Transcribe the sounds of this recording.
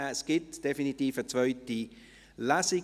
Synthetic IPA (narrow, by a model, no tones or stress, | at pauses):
sɡ̥ɪtd̥efinitiːfət͡svœʏti | lasi